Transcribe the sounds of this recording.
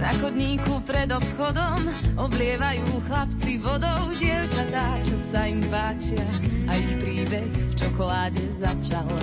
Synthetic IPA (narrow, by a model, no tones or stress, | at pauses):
na̰xɔd̪ɲiːkupɾɛd̪ɔpxɔd̪ɔmɔblɪɛʋajuːxlapt͡siʋɔd̪ɔʊɟɪɛʊt͡ʃat̪aːt͡ʃɔsaimpaːt͡ʃɪaaixpɾiːbɛxft͡ʃɔkɔlaːɟɛzat͡ʃal